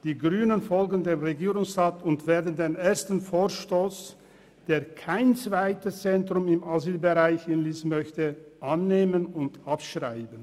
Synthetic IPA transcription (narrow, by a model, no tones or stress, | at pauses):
d̥iːɡʁyːnənfɔlɡən̩deːmʁeɡiːʁʊŋsʁaːtʊntv̥eːɐdən̩deːneːɐstn̩foːɐʃtoːs | d̥eːɐkʰaɪnt͡sv̥aɪtəst͡sɛntʁ̥ʊmɪmaziːlbəʁaɪçɪnliːsmœçtəʔanːeːmənʊntʔapʃʁaɪbən̩